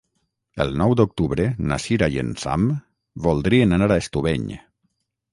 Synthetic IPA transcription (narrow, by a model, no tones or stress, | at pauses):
ə̰lˠnɔwd̪ok̚t̪uβɾena̰siɾajḛnsa̰m | bolˠd̪ɾienanaɾaest̪uβeɲ